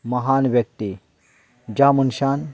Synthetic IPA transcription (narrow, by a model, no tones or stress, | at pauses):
mɐɦaːnbjɐk̚t̪i | d͡ʒaːmunʃaːn